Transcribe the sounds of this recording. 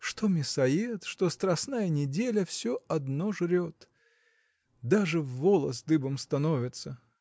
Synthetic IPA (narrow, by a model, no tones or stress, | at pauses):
ʂt̪omʲɪsɐjet̪ʂt̪ost̪ɾɐsnajənʲɪdʲelʲəfsʲoɐd̪noʐɾʲot̪ | d̪aʐɨvːolˠə̰sd̪ɨbəmst̪ɐnovʲɪt̪sə